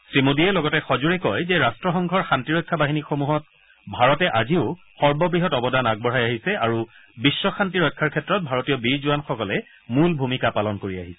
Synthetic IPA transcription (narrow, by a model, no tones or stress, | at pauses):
sɹimudiɛlɔɡɔtɛxɔzuɹɛkɔjzɛɹastɹɔxɔŋɡʱɔɹxantiɹɔjkʰːabaɦinixomuɦɔt̚ | bʱaɹɔtɛʔaziʊ | xɔɹbɔbɹiɦɔtɔbɔdanaɡ̚bɔɹajaɦisɛaɹubisːɔxantiɹɔjkʰːaɹkʰɛtɹɔt̚bʱaɹotijɔbiɹzuwanxɔkɔlɛ | mulbʱumikapalɔnkoɹia̰ɦisɛ̥